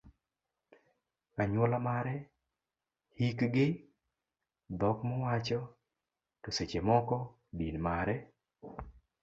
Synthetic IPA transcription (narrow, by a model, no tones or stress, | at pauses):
kaɲwɔlamaɾɛ | hikɡɪ | d̪ɔkmɔwat͡ʃɔ | tɔset͡ʃemɔkɔ | dinmaɾɛ